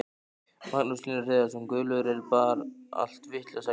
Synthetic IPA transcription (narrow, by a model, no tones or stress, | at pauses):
maknuslinɪreːðasɛmkœːlʏɾɛɾpaːɾa̰l̥t̪vɪht̪lasa